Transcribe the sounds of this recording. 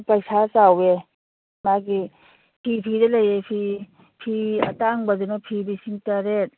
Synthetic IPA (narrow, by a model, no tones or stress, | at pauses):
pɐjsasawe | maɡi | pʰipʰidɐlɐjepʰi | pʰiɐtaŋbɐdunɐpʰibisiŋtaɾet̚